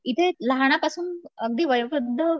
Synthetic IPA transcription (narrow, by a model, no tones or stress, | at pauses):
it̪ʰeləɦɳ̃apasuːnəɡ̚d̪iːʋəjʋɾud̪ʱːə